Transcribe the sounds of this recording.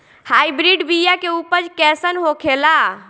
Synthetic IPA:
hajbɾiɖbijakeupəd͡ʒkɛsənɦokʰela

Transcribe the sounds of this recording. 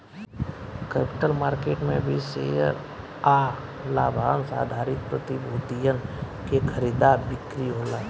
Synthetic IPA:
kɛːpɪ̥ʈəlmaːɾkeːʈmḛ̃bʱisḛːjə̰ɾ | aː | laːbʱaːnsa̰ːd̪ʱaːɾɪt̪̚pɾət̪ibʱoːt̪ijən | kekʰəɾiːd̪abɪkɾiɦoːlaː

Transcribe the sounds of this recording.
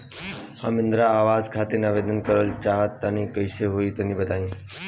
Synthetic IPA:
ha̰mɪnd̪ɾaːʋaːd͡zkʰat̪enaʋed̪ənkəɾəlt͡ʃaɦət̪ːanĩkəjseɦoiːt̪əniːbət̪aːĩː

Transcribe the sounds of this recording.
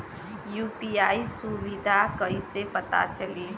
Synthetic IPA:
juːpiaːisuʋid̪ʱakəɦisepət̪a̰t͡ʃəli

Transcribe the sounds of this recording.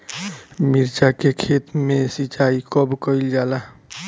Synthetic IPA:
miɾt͡ʃakekʰet̪mesit͡ʃaikɔbkəɪld͡ʒala

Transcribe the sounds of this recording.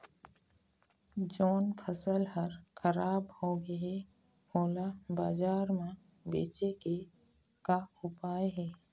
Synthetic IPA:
d͡ʒoːnpʰəsəlɦəɾxʰəɾaːbhoɡəe | oːlabaːd͡ʒaːɾmã | bḛːt͡ʃeke | kaʊpaːeɦɛː

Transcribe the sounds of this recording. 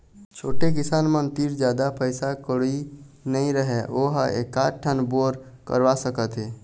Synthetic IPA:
t͡ʃʰoːʈekɪsaːnmənt̪iːɾd͡ʒjaːd̪apəɪsakəɽinəĩɾəɦeʔoɦḛːkːaːʈʰːənboːɾ | kə̰ɾʋasəkət̪ɦeː

